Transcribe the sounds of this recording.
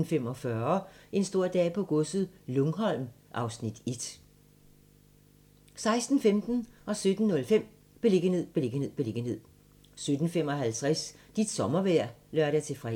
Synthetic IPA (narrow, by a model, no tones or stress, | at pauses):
n̩fem̰ɒ̽fɶɐe̝nsd̥o̝ɐ̰d̥ɛ̰ːpʰɒ̽ɡ̥ɔsð̩ˠlɔŋɦɒ̽l̰mʔɑ̈ʊsnid̥e̝d̥ | sɑ̈ɪsd̥n̩femd̥n̩ʔɒ̽sød̥n̩ːɔ̽lfem̰ | b̥e̝le̝ɡ̥əne̝ð̰ˠb̥ele̝ɡ̥əne̝ð̰ˠb̥eleɡ̥əne̝ð̰ˠ | sød̥n̩fem̰ɒ̽ɦælt͡sʰʁɛsd̥id̥sɒ̽mɐʋæɐ̰lɶɐd̥æt͡sʰe̝fʁɛ